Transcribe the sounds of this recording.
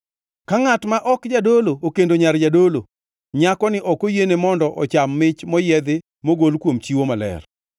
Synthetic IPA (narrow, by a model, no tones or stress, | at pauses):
kaŋatmaʔɔkd͡ʒadolookendoɲaɾd͡ʒadolo | ɲakɔnɪʔɔkojenemɔndɔʔɔt͡ʃamːɪt͡ʃmɔjɛd̪ɪ | moɡolkwomt͡ʃiwomalɛ̰r